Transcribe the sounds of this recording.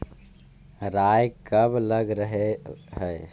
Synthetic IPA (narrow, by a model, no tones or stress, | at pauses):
ɾaːjkəbələɡɾəɦeɦəe